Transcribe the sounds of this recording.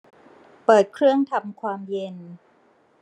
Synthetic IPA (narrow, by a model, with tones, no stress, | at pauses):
pɤː˨˩t̪̚kʰɾɯ˥˩əŋt̪ʰa˧mkʰwaː˧mje˧n